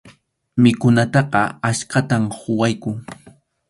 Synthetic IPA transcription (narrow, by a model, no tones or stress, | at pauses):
mɪkʊnat̪ɑqɑaʃkat̪amhʊwajkʊŋ